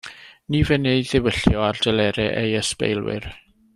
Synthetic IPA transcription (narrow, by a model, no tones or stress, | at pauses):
nivɛneɨðɪwəɬjɔardɛlɛɾɛʔejəspḛjlˠwɪ̰r